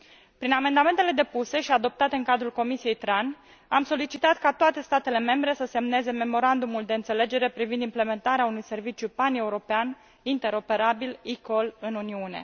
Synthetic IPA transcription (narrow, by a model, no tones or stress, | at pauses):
pɾiname̞nd̪ame̞nt̪e̞le̞d̪e̞puse̞ʃiad̪o̞p̚t̪at̪e̞ɨŋkad̪ɾulko̞misije̞jt̪ɾan | amso̞lit͡ʃit̪at̪kat̪oat̪e̞st̪at̪e̞le̞me̞mbɾe̞səse̞mne̞ze̞me̞mo̞ɾand̪umuld̪e̞ɨnt̪se̞le̞d͡ʒe̞ɾe̞pɾivind̪imple̞me̞nt̪aɾeaunujse̞rvit͡ʃjupane̞uɾo̞pean | int̪e̞ɾo̞pe̞ɾabiliko̞lɨnuniune̞̰